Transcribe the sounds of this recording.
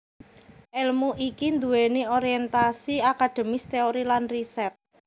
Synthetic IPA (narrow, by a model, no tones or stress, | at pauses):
ʔɛlmuʔikind̪uweneoɾiɛnt̪asiakad̪̥e̤mɪst̪eoɾilanrisɛt̪̚